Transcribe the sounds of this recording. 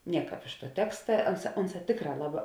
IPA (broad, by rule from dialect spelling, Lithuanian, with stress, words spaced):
ˈnʲiɛˌkɑːp ɪʃ tuɔ ˈtʲæːkstɐ ˈɐnˌsɑː ˈʊnˌsɑː ˈtʲeːkˌrɑː ˈlˠɑːˌbɑː